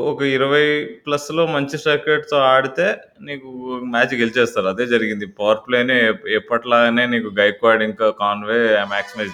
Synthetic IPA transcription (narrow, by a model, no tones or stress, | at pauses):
ɔkɐiɾɐʋɐjplɐslo̞ːmɐɲt͡ʃisɐːkeɖt̪oːaːɽit̪e̞ː | niːkumaːt͡ʃɡelit͡ʃɛːst̪aːɾuɐd̪e̞ːd͡ʒɐɾiɡind̪ipɐʋɐɾpleːneɛːpːɐʈlaːɡane̞ːniːkuɡɐjkʋaːɾɽiŋkaːkaːnʋeːmaːksime